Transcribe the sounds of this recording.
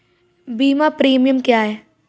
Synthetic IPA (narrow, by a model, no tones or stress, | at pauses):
biːmapɾiːmijəmkjaːɦɛː